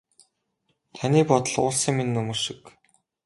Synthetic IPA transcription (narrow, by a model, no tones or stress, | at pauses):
t̪ʰanʲiːpɔt̪ə̆ɮʊ̰ːɮsə̆ŋminːɵmɵːrʃĭ̥k